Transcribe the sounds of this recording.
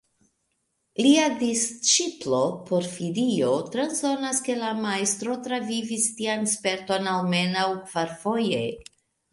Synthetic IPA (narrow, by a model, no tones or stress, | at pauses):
liadist͡ʃiplo̞po̞ɾfilio̞tɾanso̞naske̞lamaest̪ɾo̞tɾavivistianspe̞ɾto̞nawme̞nawkv̥aɾfo̞je̞